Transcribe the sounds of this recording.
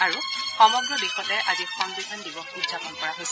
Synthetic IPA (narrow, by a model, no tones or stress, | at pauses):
aɹuxɔmɔɡɹɔbixɔtɛʔazixɔŋɡikʰandibɔxudzapɔnpɔɹaɦojsɛ